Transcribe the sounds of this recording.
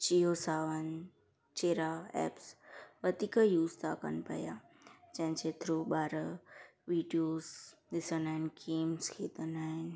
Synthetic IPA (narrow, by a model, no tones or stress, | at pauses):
t͡ʃijosaːʋən | t͡ʃeːɾaɛ̰ːpsʋət̪ikəjuːst̪aːkə̰npɐ̰ja | d͡ʒɛ̃ɦnt͡ʃeːt̪ʰɾoɓaːɾəʋiːɖioːzd̪ɪsənaːɪnkʰeːmskʰeːt̪ənaːɪn